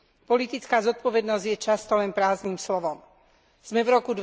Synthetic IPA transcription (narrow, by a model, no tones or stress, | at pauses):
pɔlit̪it͡skaːzɔt̪̚pɔʋɛd̪nɔzɟjɛt͡ʃast̪ɔlɛnpɾaːzniːmslɔʋɔm | z̥mɛvɾɔkud̪